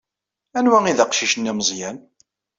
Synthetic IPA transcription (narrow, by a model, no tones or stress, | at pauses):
ænwæiðæqʃiʃənːæməzˤjæn